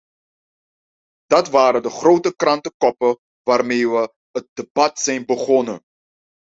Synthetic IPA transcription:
d̥ɐtvaːɾədəχrowtəkrɐntəkɔpə | vaːrmeːvə | ət̚dəbɐtsɛjnbəχɔnə

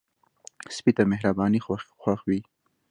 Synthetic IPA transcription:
spit̪ameɦɾabɑːnixwaxwaxwi

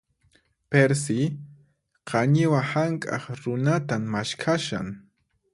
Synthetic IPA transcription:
peɾs̬ɪ | qʰɑɲɪwahaŋkʼɑ̰χɾʊnat̪amːaʃkʰaʃa̰ŋ

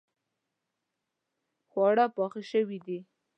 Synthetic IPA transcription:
xwɑɽapɑxiʃəwid̪i

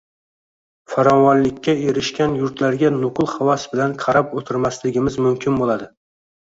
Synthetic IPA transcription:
faɾɒnwaɾlɪkʲʰːaeɾɪʃkʲanjʊɾt̪ʰlaɾɡʲanʊqlˠhavasbɪlanqʰɑɾapot̪ʰɪɾmaslɪɡʲɪmɪzmʊmkʲʰɪnbolˠad̪ɪ

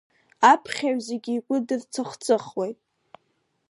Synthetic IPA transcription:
apʰχʲaɥzeɡʲiːkʷʼʊdɨrt͡sʰaχʷt͡sʰʼɨχwejtʼ

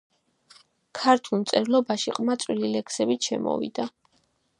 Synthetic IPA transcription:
kʰaɾt̪ʰulˠmt̪sʼɛɾlˠɔbaʃiqʼmat̪sʼwililɛkʰsɛbiʃɛmɔ̰vḭd̪̥a

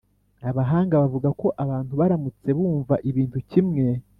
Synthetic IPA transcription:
aβaɦaːŋɡaβavuɡako̞ʔaβaːntuβaɾamut͡se̞βuːɱvaʔiβiːntucimŋe̞

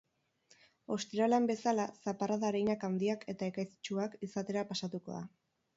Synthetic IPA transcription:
o̞st̪iɾaleambe̞salasaparaðaɾejɲakand̪iakʰe̞t̪ae̞kajsi̥t͡ʃuakisat̪e̞ɾapasat̪uko̞̰ða̰

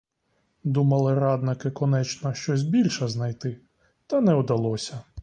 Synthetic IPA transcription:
d̪umɐlˠɪɾɑd̪nɪkɪkɔnɛt͡ʃnɐʃt͡ʃɔsʲbʲilʲʃɛznɐjt̪ɪ | t̪ɐnɛud̪ɐlˠɔsʲɐ

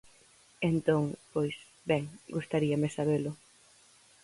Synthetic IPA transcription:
ent̪oŋpojs | bɛŋɡust̪aɾiamesaβelʊ

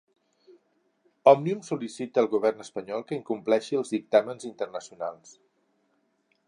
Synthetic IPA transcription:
ɔmniumsulisit̪əːlˠɣuβ̞ɛrnəspəɲɔlˠkəiŋkumplɛʃiəlˠzðik̚t̪amənzint̪ərnəsiunalˠs

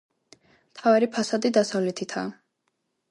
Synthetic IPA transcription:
mt̪ʰavaɾipʰasad̪id̪asavlɛt̪ʰit̪ʰa̰ː

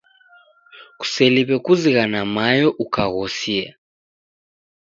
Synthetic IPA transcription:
ku̥sɛliβɛkuziɣanamajɔʔukaɣɔsiɛ

